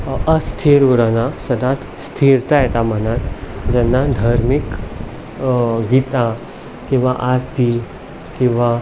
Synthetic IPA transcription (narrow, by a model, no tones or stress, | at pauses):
əst̪ʰiɾuɾanasɐd̪at̪ | st̪ʰiɾt̪ajɛt̪amənat̪d͡ʑɛnːad̪ʱaɾmik | ɡit̪a | kĩw̃ʋaʔaɾt̪ʰi | kĩʋa